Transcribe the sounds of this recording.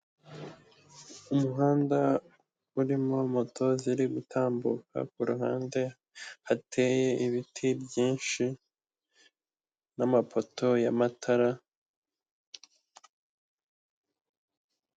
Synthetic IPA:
umuɦaːnda | uɾimo̞mo̞tʰo̞ziɾiɡutʰaːmbuka̰k̚uɾuɦa̰ːnde̞ | hatʰe̞ːje̞iβitʰibjiːnʃi | namapʰo̞tʰo̞jamatʰaɾa

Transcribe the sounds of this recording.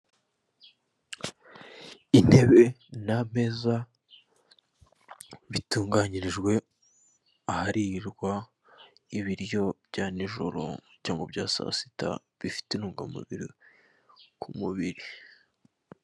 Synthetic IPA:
in̥he̞βe̞nam̥e̞za | βituːŋɡaɲiɾiʒɡwe̞ | ahaɾiɾɡwa | iβiɾjo̞bɟaːniʒo̰ɾo̰caːŋɡo̞bɟaːsa̰si̥ta̰ | βifi̥tenuːŋɡamṵβḭɾi | kʰumuβiɾi

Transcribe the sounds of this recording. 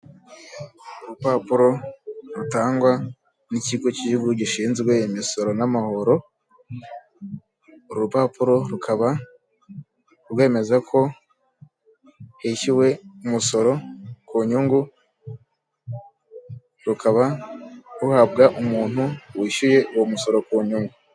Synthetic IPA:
uɾupapuɾo̞ɾutaːŋɡwa | niciɡo̞ciʒuɡuɟiʃiːnzɡwejemiso̞ɾo̞namaho̞ɾo̞ | uɾɾupaːpuɾo̞ɾukʰaβa | ɾwe̞ːme̞zakʰo̞ | heʃiwe̞umuso̞ɾo̞kuːɲuŋɡu | ɾukaβa | ɾuhab̚ɡaʔumuːn̥huwiːʃuje̞uwomuso̞ɾo̞kuːɲuŋɡu

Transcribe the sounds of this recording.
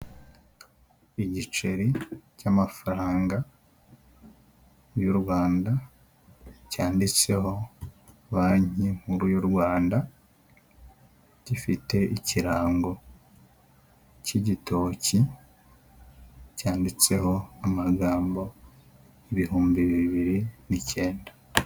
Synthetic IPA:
iɟit͡ʃe̞ɾicamafaɾaːŋɡa | juɾwaːnda | caːndit͡se̞ho̞ | βaːɲim̥huɾujuɾwaːnda | ɟifite̞iciɾaːŋɡo̞ | ciɟitʰo̞ci | caːndit͡se̞ho̞amaɡaːmbo̞ | eβihuːmbiβiβiɾinice̞ːnda

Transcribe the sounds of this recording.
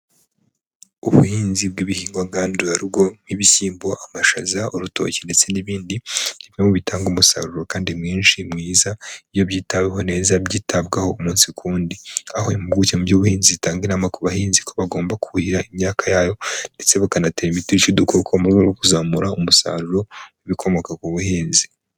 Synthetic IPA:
uβṵhiːnzib̚ɡiβihiːŋɡwaɡaːnduaɾibɡo̞niβisiːmbo̞ʔamaʃazauɾuto̞̰ːcende̞t͡se̞niβiːndiniβiɲemuβitaːŋɡumusa̰ɾuɾokaːndimŋiːnʃimŋiːzaiβjo̞βjiːtaweɦo̞ne̞ːzabɟiːtʰabɡaho̞umuːnsikʰuːndiahomubɡucemubɟuβuhiːnziitaːŋɡinamakoβahiːnzikʰo̞βaɡo̞ːmbakuhuhiɾaimɲaːkʰajaːjo̞nde̞t͡se̞βakanateɾimitiɾit͡ʃudukʰokʰomuɡaɡokuzaːmuɾaumusa̰ːɾuɾo̞wiβikʰo̞mo̞kakuβuhiːnzi

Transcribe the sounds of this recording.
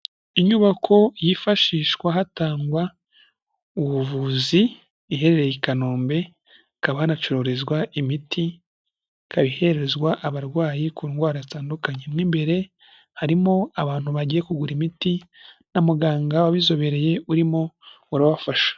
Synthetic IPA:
iɲuβakʰo̞jifaʃiːʃwaɦataːŋɡwa | uβuvuːziː | ɦe̞ɾe̞ɾejikanoːmbe̞ | kaβahanat͡ʃoɾo̞ɾezɡwaʔimitʰi | kaβihe̞ɾeeɾezɡwaʔaβaɾɡwaːjikuŋɡwaːɾazitaːndukaɲemŋiːmbe̞ɾe̞ | haɾimo̞aβaːn̥huβaɟije̞kuɡuɾimitinamuɡaːŋɡawaβizo̞βe̞ɾe̞je̞uɾimo̞ | uɾaβafaʃḁ

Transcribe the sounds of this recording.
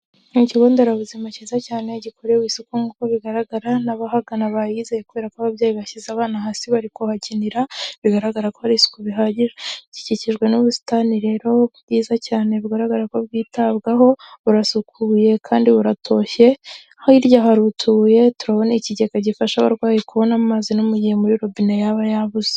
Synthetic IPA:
ŋiciɡoːndeɾaβuzimacizacaːne̞ɟikʰoɾewisukuŋɡukoβiɡaɾaɡaɾanaβahaɡanaβajizejekuβe̞ːɾakwaβaβjaːjiβaçizaβaːnaɦaːsiβaɾikohaciniɾaβiɡaɾaɡaɾakohaɾisu̥kuβiɦaɟiʒeci̥ciciʒɡwe̞nuβusi̥taniɾe̞ːɾo̞βɟiːzacaːne̞βiɡaɾaɡaɾako̞βɡiːtaβɡaɦo̞βuɾasukʰuːje̞kʰaːndiβuɾatʰo̞ːçe̞ | ahoiɾɟaɦaɾutʰuje̞tuɾaβo̞neciɟekaɟifaʃaβa̰ɾɡwaːjekuβo̞namazinumuɟihemuɾiɾo̞binejaβajaβuz̥e̥

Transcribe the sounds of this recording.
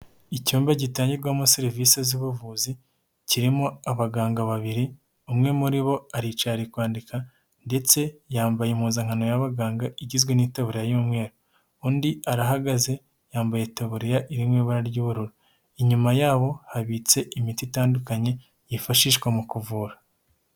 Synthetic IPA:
icuːmbaɟitaːɲɟiɾɡwamusiɾiviseziβuvuːzi | ciɾimoaβaɡaːŋɡaβaβiɾi | umŋe̞muɾiβo̞aɾit͡ʃaɾikwaːndika | nde̞t͡se̞jaːmbajemuːzaŋ̥hano̞jaβaɡaːŋɡaiɟizɡwe̞niːtaβuɾejajumŋe̞ːɾo | uːndiaɾaɦaɡaze̞ | jaːmbaje̞taβuɾejaʔiɾimweβaɾaɾɟuːβuɾuɾo | iɲumajaːβo̞haβit͡se̞ʔimititaːndukaɲe̞ | jifaʃiːʃɡwemukuvuːɾḁ

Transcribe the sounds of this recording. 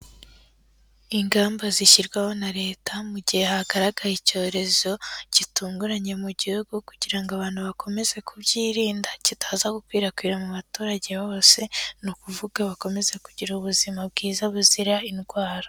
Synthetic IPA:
iŋɡaːmbaziʃiɾɡwaho̞naɾe̞ːtamuɟihe̞haɡaɾaɡajico̞ːɾe̞zo̞ɟ̥ituːŋɡuɾaɲe̞muɟihuɡukuɟiɾaŋɡoaβaːn̥huβakʰo̞me̞ze̞kuβɟiːɾiːndacitʰaːzaɡukwiːɾakwiːɾamuβatuːɾaɟe̞βo̞ːse̞nukuvuɡ̥aβako̞me̞zekuɟiɾuuβuzimab̚ɡiːzaβuziɾainɡwaːɾo

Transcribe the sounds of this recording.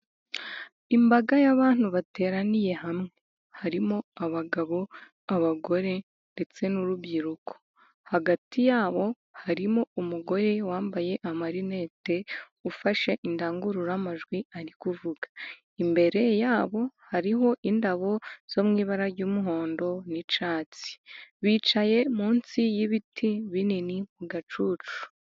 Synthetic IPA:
imbaɡajaβaːn̥huβate̞ːɾanije̞ɦamŋe̞ | haɾimoaβaɡaβo̞ | aβaɡo̞ɾe̞ | nde̞t͡se̞nuɾuβɟiɾukʰo̞̥ | haɡatʰijaːβo̞ | haɾimo̞umuɡo̞ɾe̞waːmbaje̞ʔamaɾine̞ːte̞ | ufaʃe̞ʔindaːŋɡuɾuɾamaʒɡwiaɾikuvuɡḁ | imbe̞ɾe̞jaːβo̞haɾiɦo̞ʔindaβo̞z̥o̞mŋiːβaɾaɾɟuːmuɦo̞ːndo̞nit͡ʃaːt͡si̥βiːt͡ʃaje̞muːnsijiβitʰiβininimuɡat͡ʃuːt͡ʃu̥

